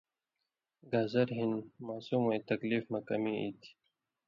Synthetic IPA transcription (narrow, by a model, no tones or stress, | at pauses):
ɡazɐɾɦinmaːsumwojt̪ɐkliːfmɐkɐmiḭt̪ʰi̥